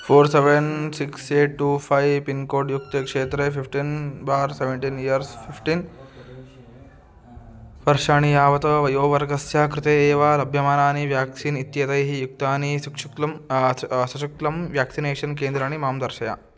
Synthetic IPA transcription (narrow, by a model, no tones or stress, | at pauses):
pʰoːɾseʋensikseːʈʈːupʰajpinkoːɖjuk̚t̪ekʂeːt̪ɾepipʰʈinbaːɾseʋeɳʈinijɐɾspʰipʰʈin | ʋɐɾʂaːɳijaːʋɐt̪ɐʋɐjoːʋɐɾɡɐsjaːkɾɪt̪eːʋaːlɐbʱjɐmaːnaːniʋjaːksinit̪jɐt̪ɐjɦijuk̚t̪aːnisukʂukɐm | sɐʃɐklɐmʋjaːksineːʂɐnkeːnd̪ɾaːɳimaːmd̪ɐɾʃɐja̰